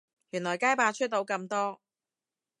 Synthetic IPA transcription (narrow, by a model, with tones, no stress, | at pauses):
jyː˨˩nlɔː˨˩jkaː˥jpaː˧t͡ʃʰɵ˥t̚t̪o˨˥wkɐ˧mt̪ɔː˥